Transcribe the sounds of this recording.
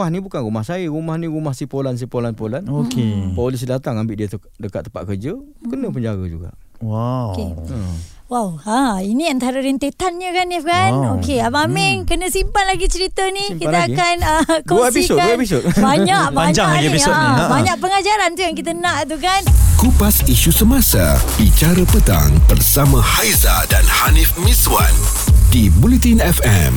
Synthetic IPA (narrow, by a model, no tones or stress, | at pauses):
ahnĩbukanɾumahsaəɾumahnĩɾumahsipolans̬ipolanpolanokepolis̬dat̪aŋambɪʔdiət̪ | dəkat̪ːəpa̰t̪̚kərd͡ʒə | kənəp̬əɲd͡ʒaɡa̰d͡ʒṵɡa̰ʔ | wakeə | wawãiniant̪aɾəɾint̪et̪anɲəkanjakanokeamamɪŋkənə̃simpanlaɡit͡ʃəɾit̪əniikiəakanəkosiiskaisobaɲaʔbaɲd͡ʒaabaɲaʔ̚pəŋad͡ʒaɾant̪ujaŋkit̪ənãʔt̪ukankupasiʃusəmasa̰bit͡ʃaɾəpət̪a̰ŋbərsamãhajza̰danhanifmiswa̰n | dibulit̪inɛfɛ̰m